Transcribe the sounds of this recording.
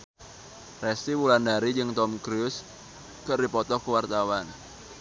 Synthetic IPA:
rɛst̪iwulandaɾid͡ʒɨŋt̪ɔmkɾus | kəʔrdipɔt̪ɔhkəwart̪awan

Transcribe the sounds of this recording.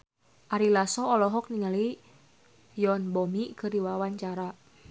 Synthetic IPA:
ʔaɾilasɔːlɔɦɔk̚niŋali | jɔnbɔmikɨɾiwawaɲt͡ʃaɾa

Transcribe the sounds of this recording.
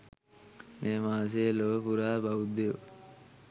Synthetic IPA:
meːmaːs̬eːloːpuɾaːbɐud̪e

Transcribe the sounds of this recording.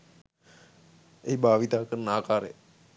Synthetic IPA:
eibʱaːʋit̪aːkəɾnaːkaːɾḛ

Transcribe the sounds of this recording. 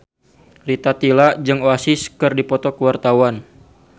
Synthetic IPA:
rit̪at̪ilad͡ʒɨŋoasɪskɨrdipɔt̪ɔkəwart̪awan

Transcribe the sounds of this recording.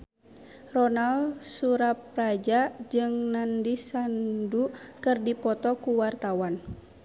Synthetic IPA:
rɔnalsuɾap̚rad͡ʒad͡ʒɨŋnandisandukɨrdipɔt̪ɔkuwart̪awan

